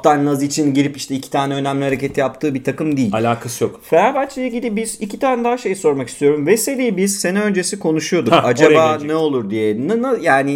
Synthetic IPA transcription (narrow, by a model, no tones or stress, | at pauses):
t̪ʰaɾnːazit͡ʃʰinɟiɾipiʃt̪ʰɛicʰi̥t̪ʰaːnɛø̞næmlʲihaɾecʰe̞t̪ʰijap̚t̪ʰɯːbit̪ʰakɯmd̪ijilalʲaːkʰasɯjokfeɾaːbat̪̚t͡ʃːʰijeɟid̪ibiz̥icʰit̪ʰaːnɛd̪aɦaʃe̞jso̞ɾmaki̥st̪ʰijo̞ɾumvɛse̞liːbiz̥senɛø̞nd͡ʒe̞sikʰo̞nuʃujo̞d̪uad͡ʒabaːnɛo̞lˠuɾd̪ijɛnnajaːnɪ